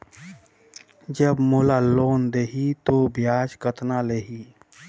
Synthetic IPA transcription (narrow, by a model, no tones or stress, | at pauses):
d͡ʒəbmoːlaloːnd̪eɦit̪objaːd͡ʒkət̪naleːɦiː